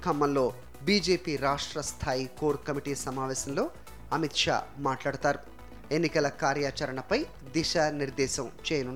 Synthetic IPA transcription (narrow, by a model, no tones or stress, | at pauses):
kʰɐmːɐnlo̞ː | biːd͡ʒeːpiːɾaːʂʈɾɐst̪ʰaːjiko̞ːɾkɐmiʈiːsɐmaːʋɛːsɐnlo̞ː | ɐmit̪ʂa̰ːmaːʈlaːɽut̪aːɾu | e̞nːikɐlɐkaːɾjaːt͡ʃɐɾɐɳɐpɐj | d̪iʃaːniɾd̪ɛːʃɐmt͡ʃɛːjɐnunː